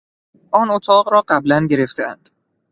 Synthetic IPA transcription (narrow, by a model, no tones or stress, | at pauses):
ʔɒːnot̪ʰɒːɢɾɒːɢæblænɟe̞ɾe̞ft̪ʰeænd̪̥